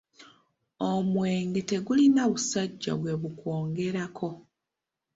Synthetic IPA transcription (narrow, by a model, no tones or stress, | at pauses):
omwe̞ːŋɡe̞te̞ɡulinaβusaɟːa̰βwe̞βuko̞ːŋɡe̞ɾakʰo̞